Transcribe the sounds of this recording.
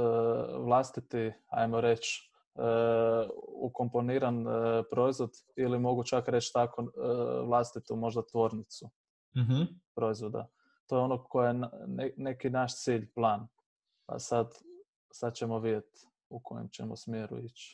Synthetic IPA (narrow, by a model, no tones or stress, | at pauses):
ʋlˠast̪it̪ia̰jmoɾe̞t͡ʃː | ṵko̞mpo̞niɾanpɾo̞izʋo̞d̪ | ilimo̞ɡut͡ʃakɾe̞t͡ʃt̪akoʋlˠast̪it̪umo̞ʒd̪at̪ʋo̞ɾnit̪su | ɦ̩pɾo̞izʋo̞d̪a̰ | t̪o̞jo̞nokʰojenene̞kinaʃt̪siːʎplˠaːn | pa̰sad̪ | sad̪t͡ʃe̞mo̞ʋid̪je̞t̪ | ukʰo̞jḛmt͡ɕe̞̰mo̰smjeɾṵit͡ʃ